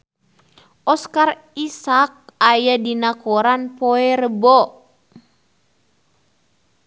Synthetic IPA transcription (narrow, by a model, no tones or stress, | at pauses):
ʔɔskar | isak̚ajadinakoɾanpɔɛrəbɔ